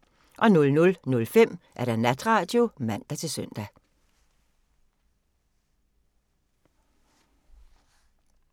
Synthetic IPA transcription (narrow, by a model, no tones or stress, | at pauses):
ʔɒ̽nɔ̽lnɔ̽lnɔ̽lfem̰ʔæɐɾ̥ænæd̥ʁɑ̈ːd̥jo̝mæn̰d̥æt͡sʰe̝lsøn̰d̥æ